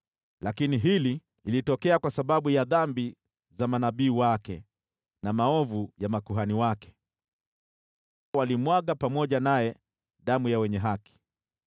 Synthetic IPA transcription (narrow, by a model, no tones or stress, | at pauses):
lakiniɦili | ilitɔkɛakwasaɓaɓujaðambi | zamanaɓiːwakɛ | namaɔvujamakuɦaniwakɛ̥ | walimwaɠapamɔʄanajɛ | ɗamujawɛɲɛɦaki̥